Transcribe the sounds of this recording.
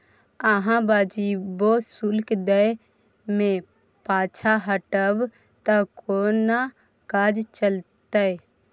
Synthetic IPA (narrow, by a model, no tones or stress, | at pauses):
əɦãbad͡ʒibosulkd̪ə | mẽ | paːt͡ʃʰaɦəʈəb | t̪əkona | kad͡ʒt͡ʃəlt̪əj